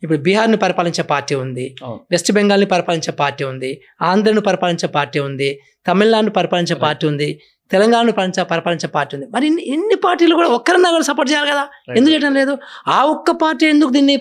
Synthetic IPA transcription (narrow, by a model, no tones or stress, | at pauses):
ip̬ːuɽubiɦaːɾnipɐɾipaːliɲt͡ʃepaːɾʈːiːund̪iʋesʈibeŋɡaːlnipɐɾipaːliɲt͡ʃepaːɾʈːiːund̪i | aːnd̪ɐɾɐnipɐɾipaːliɲt͡ʃepaːɾʈːiːund̪i | t̪ɐmiɭːaːɳɖnupɐɾipaːliɲt͡ʃepaːɾʈːiːund̪i | t̪ɛlɐŋɡaːnɐɳnupaliɲt͡ʃepɐɾipaːliɲt͡ʃepaːɾʈːiːund̪imɐɾiinːinːipaːɾʈiːluɡuːɽaːɔkːɐɾɐnːaːɡuːɽɐsɐpoːʈ̚t͡ʃɛjaːlikɐd̪aːend̪ukt͡ʃɛːjɐʈɐnle̞ːd̪uaːɔkːɐpaːɾʈːiːend̪ukud̪iːnːi